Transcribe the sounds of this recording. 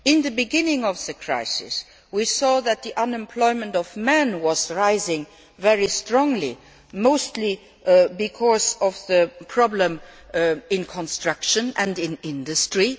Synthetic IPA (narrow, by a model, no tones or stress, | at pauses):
ɪ̃nðəbiɡɪ̃nɪ̃ŋɔvðəkʰɹa̰ɪsɪ̰s | wisɔðɨt̪̚ðiʔʌ̃nɛ̃mpʰl̥ɔɪmə̃ntɔvmɛ̃nwʌzɹaɪzɪ̃ŋ | vɛɹistɹɔ̃ŋli | moʊstʰli | bikʰɔzɔvðəpʰɹ̥ɑblə̃m | ɪ̃nkʰɔ̃nstɹ̥ʌkʃə̃nɛ̃ndɪ̃nɪ̃ndəstɹi